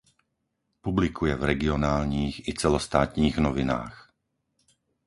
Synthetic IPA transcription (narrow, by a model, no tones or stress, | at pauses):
publikʰujɛvɾɛɡiɔnaːlɲiːɣit͡sɛlɔst̪aːt̪ɲiːɣnɔʋina̰ːx